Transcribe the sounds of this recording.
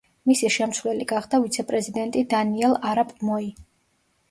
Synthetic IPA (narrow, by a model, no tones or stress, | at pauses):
misiʃɛmsvlɛliɡaχd̪avit̪sʰɛpʼɾɛzid̪ɛnt̪ʼid̪aniɛlˠaɾapʼmɔi